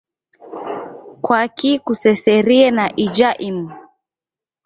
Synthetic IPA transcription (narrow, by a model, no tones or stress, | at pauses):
kwakikusɛsɛɾiɛnaʔid͡ʒaʔimu